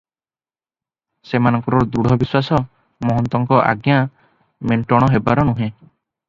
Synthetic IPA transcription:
semanɔŋkɔɾɔd̪uɽ̤ɔbiswasɔ | mɔɦɔnt̪ɔŋkɔʔa̰ɡja | meɳʈɔɽ̃ɔɦebaɾɔnuɦẽ

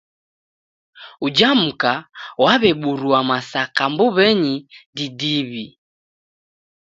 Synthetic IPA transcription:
ud͡ʒam̩kawaβɛɓuɾuamasakambuβɛɲididiβi

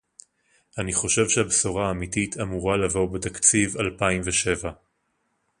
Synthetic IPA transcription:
aniχo̞ʃe̞vʃehabsoʁaːmititʰamuʁalavo̞betakt͡sivalpaimveʃe̞va

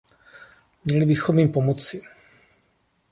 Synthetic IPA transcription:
mɲɛlɪbɪxo̞mjimpo̞mot͡sɪ

